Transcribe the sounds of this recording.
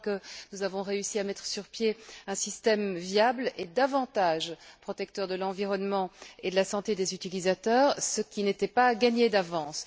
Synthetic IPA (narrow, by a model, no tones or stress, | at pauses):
kənuzavɔ̃ʁeysiamɛt̪χəsyʁpjeɛ̃sist̪ɛmvjabled̪avɑ̃t̪aːʒpχɔt̪ɛk̚t̪œʁd̪əlɑ̃viʁɔnmɑ̃ed̪əlasɑ̃t̪ed̪ezyt̪ilizat̪œːʁsəkʲinet̪ɛpaɡaɲed̪avɑ̃s